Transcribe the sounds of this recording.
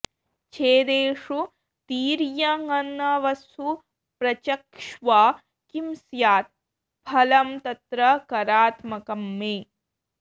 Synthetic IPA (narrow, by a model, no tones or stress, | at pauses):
t͡ʃʰeːd̪eːʂu | t̪iːɾjɐŋɐnːɐʋɐsu | pɾɐt͡ʃɐkʂʋaː | kimsjaːt̪̚ | pʰɐlɐmt̪ɐt̪ɾɐkɐɾaːt̪mɐkɐmːeː